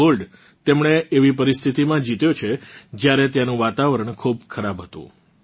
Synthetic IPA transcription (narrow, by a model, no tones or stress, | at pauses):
olɖ | t̪emɳ̃eːʋipəɾist̪ʰit̪imãd͡ʒit̪jot͡ʃʰed͡ʒjaɾet̪janũʋat̪aʋəɾəɳkʰub̚kʰəɾabɦət̪ṵ̃